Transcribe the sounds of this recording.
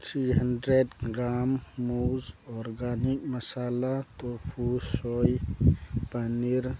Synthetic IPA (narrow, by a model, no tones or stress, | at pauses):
t̪ʰɾiɦənɖɾeɖɡɾaːmːuːzɔːɾɡaːnikməsaːlat̪ofʰusoj | pəniɾ